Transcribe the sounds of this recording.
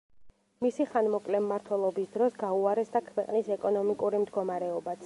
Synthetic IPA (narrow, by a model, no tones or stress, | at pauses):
misiχanmɔkʼlɛmːaɾt̪ʰwɛlˠɔbisd̪ɾɔsɡauaɾɛsd̪akʰwɛqʼnisɛkʼɔnɔmikʼuɾimd̪ɡɔmaɾɛɔbat̪ʰ